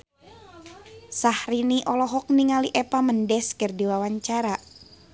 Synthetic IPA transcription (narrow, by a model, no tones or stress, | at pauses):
sahriniʔɔlɔɦɔk̚niŋaliʔɛpaməndɛskərdiwawaɲt͡ʃaɾa